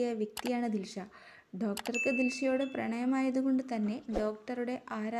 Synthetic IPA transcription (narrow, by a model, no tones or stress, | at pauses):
jɐʋjɐk̚t̪ijaːɳɨd̪ilʂɐ | ɖo̞ːkʈɐrkɨd̪ilʂɐjo̞ːɽe̞prɐ̰ɳɐjɐmaːjɐðuɣo̞ɳɖɨt̪ɐnːe̞ɖo̞ːk̚ʈɐruɽe̞ʔaːɾa